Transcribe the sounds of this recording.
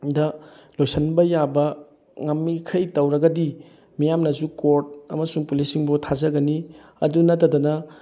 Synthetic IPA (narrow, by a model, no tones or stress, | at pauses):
dɐlojsɐnbɐjabɐ | ŋɐmːikʰɐjtɐwɾɐɡɐdi | mijamnɐzukoɾt̚ɐ̰mɐsuŋpulisiŋbotʰazɐɡɐni | ɐ̰dunɐtːɐdɐnɐ